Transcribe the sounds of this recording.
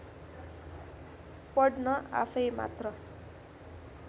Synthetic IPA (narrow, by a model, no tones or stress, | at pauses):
pʌɽnʌa̰pʰʌjma̰t̪rʌ